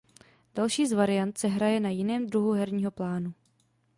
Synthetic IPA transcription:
d̥alʃiːzvaɾɪjant̪sɛɦɾajɛnajɪnɛːmd̪ɾuɦuɦɛɾɲiːɦo̞plaːnu

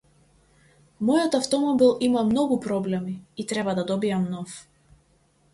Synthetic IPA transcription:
mɔjɔt̪aft̪ɔmɔbilˠimamnɔɡupɾɔblɛmiit̪ɾɛbad̪ad̪ɔbijamnɔf

